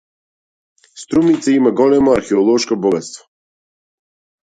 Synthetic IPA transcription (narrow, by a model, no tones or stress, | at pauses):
st̪ɾumit̪saimaɡɔlɛmoaɾxɛɔlˠɔʃkobɔɡat̪st̪vo̥